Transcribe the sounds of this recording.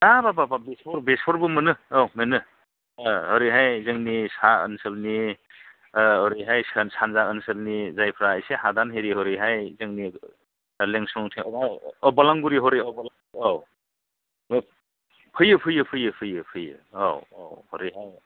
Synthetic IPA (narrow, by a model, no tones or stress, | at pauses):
dababababespʰɔɾbespʰɔɾbɯmɯnɯɔwmenɯ | hɔɾiɦajzɯŋnisaə̰nsɯlni | ɔɾiɦajsansʰanzaənsɯlnizajpʰɾaːjsehadanɦeɾiɦɔɾiɦajzɯŋni | leŋsɔŋtʰeŋaɔbɔlaŋɡuɾiɦɔɾiɔbɔlaŋɔw | pʰɯjɯpʰɯjɯpʰɯjɯpʰɯjɯpʰɯjɯ̰o̰wo̰whɔɾiɦaj